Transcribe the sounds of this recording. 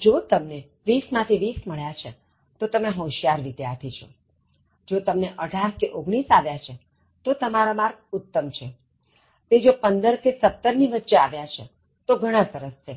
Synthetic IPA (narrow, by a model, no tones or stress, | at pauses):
d͡ʒot̪əmne | ʋismãt̪ʰiʋisməɭjat͡ʃʰe | t̪ot̪əmeɦõʃijaɾʋɪd̪ja̰t̪ʰit͡ʃʰo̰ | d͡ʒot̪əmneʔəɖʱaɾkeʔoɡɽ̃isaʋjat͡ʃʰe | t̪ot̪əmaɾamaɾɡ̚ʊt̪ːəmt͡ʃʰe | t̪ed͡ʒopənd̪əɾkesət̪ːəɾniʋətːʃeaʋjat͡ʃʰe | t̪oɡʱəɽ̃ãsəɾəst͡ʃʰe